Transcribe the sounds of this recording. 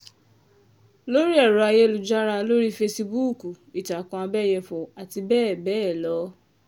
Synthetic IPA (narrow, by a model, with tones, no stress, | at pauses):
lo˦ɾi˦ɛ˦˨ɾu˨a˧je˦lu˨d͡ʒa˦ɾa˧lo˦ɾi˦fe˧si˧bu˦˨ku˨ | i˨ta˨kɔ̃˧a˧bɛ˦˨jɛ˧fɔ˨a˨ti˧bɛː˦˨bɛː˦˨lɔ˨˦